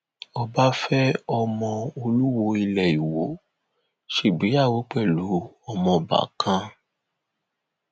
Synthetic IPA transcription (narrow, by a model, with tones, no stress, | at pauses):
ɔ˦ba˦fɛ˦ɔ˧mɔ̃˧o˧lu˦wo˧i˧lɛ˨i˨wo˨˦ | ʃu˦˨ɡ͡bi˨˦a˦˨wo˨˦k͡pɛ˦˨lu˨˦ | ɔ˧mɔ̃˧ba̰˨kʰã˧